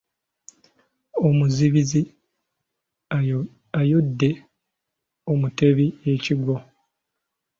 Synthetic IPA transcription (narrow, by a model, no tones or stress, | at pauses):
omuziβizi | ajodːe̞ | omute̞βieciɡwo